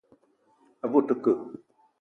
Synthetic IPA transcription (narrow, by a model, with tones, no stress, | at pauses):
a˨vu˦˨tɨ˦kə˨